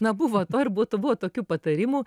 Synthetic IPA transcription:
nɐbʊʋoːt̪oːrbʊt̪obʊʋɔt̪oːkʲuːpɐt̪ɐɾʲimuː

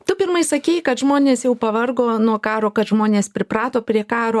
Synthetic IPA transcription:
t̪ʊpʲɪrmɐɪsɐkʲeɪkɐt̪ʒmoːnʲeːsjɛʊpɐʋɐrɡoːnuɔkɑːɾoːkɐt̪ʒmoːnʲeːspʲɾʲɪpɾɑːt̪oːpʲɾʲiɛkɑːɾoː

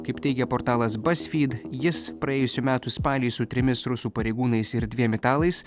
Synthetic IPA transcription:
kɐɪpt̪ʲɛɪɡʲɛpɔɾt̪ɑːlˠɐsbɐsʲfʲiːd̪jɪspɾɐeːjʊsʲuːmʲæːt̪uspɑːlʲiːsʊt̪ʲɾʲɪmʲɪsɾʊsuːpɐɾʲɛɪɡuːnɐɪsɪɾd̪ʲʋʲiɛmʲɪt̪ɑːlˠɐɪs

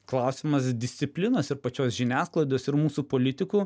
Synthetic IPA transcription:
klˠɐʊsʲɪmɐsd̪ʲɪsʲt̪sʲɪpʲlʲɪnoːsɪɾpɐt͡ʃʲoːsʒʲɪnʲæːsklˠɐɪd̪ʲoːsɪɾmuːsuːpoːlʲɪt̪ʲɪkuː

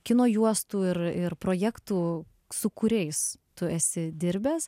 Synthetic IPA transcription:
kʲɪnoːjuɔst̪uːɪrɪrpɾoːjɛkt̪uː | sʊkʊɾʲɛɪst̪ʊæsʲɪd̪ʲɪɾʲbʲæːs

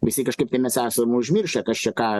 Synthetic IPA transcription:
ʋʲɪsʲɪkɐʃkɐɪp̚t̪ʲɐɪmʲɛsʲæːsɐmʊʊʒʲmʲɪrʃɐkɐst͡ʃʲɛkɑː

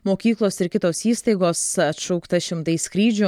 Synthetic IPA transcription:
moːkʲiːklˠoːsɪɾkʲɪt̪oːsiːst̪ɐɪɡoːsɐt̪ʃɔʊkt̪ɐʃʲɪmt̪ɐɪskɾʲiːd͡ʒʲʊ

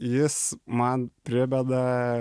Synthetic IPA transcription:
jɪsmɐnpʲɾʲɪbʲɛd̪ɐ

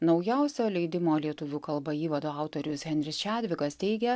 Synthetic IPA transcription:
nɒʊjɛʊsʲoːlʲɛɪd̪ʲɪmoːlʲiɛt̪ʊʋʲuːkɐlˠbɐiːʋɐd̪oːɑˑʊt̪oːɾʲʊshʲɛnʲɾʲɪst͡ʃʲæːd̪ʲʋʲɪɡɐst̪ʲɛɪɡʲɛ

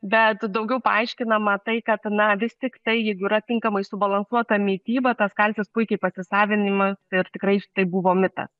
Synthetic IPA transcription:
bʲɛt̪d̪ɐʊɡʲɛʊpɐɐɪʃʲkʲɪnɐmɐt̪ɐɪkɐt̪nɐʋʲɪst̪ʲɪkt̪ɐɪjɛɪɡʊiːɾɐt̪ʲɪŋkɐmɐɪsʊbɐlˠɐnsuɔt̪ɐmʲiːt̪ʲiːbɐt̪ɐskɐlʲsʲɪspʊɪkʲɛɪpɐsʲɪsɑːʋʲɪnʲɪmɐsɪɾt̪ʲɪkɾɐɪʃt̪ɐɪbuʋoːmʲɪt̪ɐ̰s

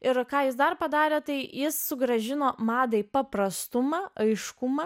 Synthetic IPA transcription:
ɪɾkɑːjɪs̬d̪ɐrpɐd̪ɑːɾʲeːt̪ɐɪjɪsːʊɡɾɐʒʲɪnoːmɑːd̪ɐɪpɐpɾɐst̪ʊmɑːɐɪʃkʊmɑː

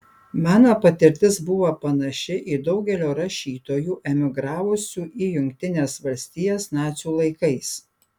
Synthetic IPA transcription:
mɑːnoːpɐt̪ʲɪɾʲt̪ʲɪzbʊʋoːpɐnɐʃʲɪʔid̪ɒʊɡʲɛlʲoːɾɐʃʲiːt̪oːjuːʔɛmʲɪɡɾɑːʋʊsʲuːʔijʊŋʲkʲt̪ʲɪnʲeːsʋɐlʲsʲt̪ʲiːjoːsnɑːt̪sʲuːlˠɐɪkɐɪs

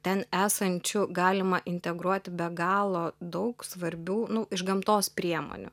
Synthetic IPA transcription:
t̪ʲɛnæːsɐnʲt͡ʃʲʊɡɑːlʲɪmɐʔɪnʲt̪ʲɛɡɾuɔt̪ʲɪbʲɛɡɑːlˠoːd̪ɐʊksʋɐɾʲbʲuːnʊʔɪʒɡɐmt̪oːspʲɾʲiɛmo̰nʲʊ̰

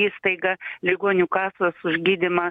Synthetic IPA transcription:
iːst̪ɐɪɡɐlʲɪɡoːnʲukɑːsɐsʊʒʲɡʲiːd̪ʲɪmɐ

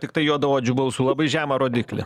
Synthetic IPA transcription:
t̪ʲɪk̚t̪ɐɪjuɔd̪ɐʋoːd͡ʒʲʊbɐlʊsʊlˠɐbɐɪʒʲæːmɐɾoːd̪ʲɪːklʲɪ̰

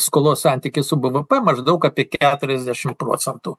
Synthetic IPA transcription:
skoːlˠoːssɑnʲt̪ʲɪkʲɪsʊbəʋəpɛmɐʒd̪ɐʊkɑːpʲiɛkʲæːt̪ʊɾʲɛzʲd̪ʲæʃʲɪmpɾo̰ːsʲɛnt̪u

